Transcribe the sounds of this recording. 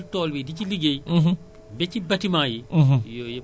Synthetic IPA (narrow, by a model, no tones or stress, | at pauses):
ltɔːlwidiciliɡejɦ | bɛt͡ʃibɐtimaːjijɔj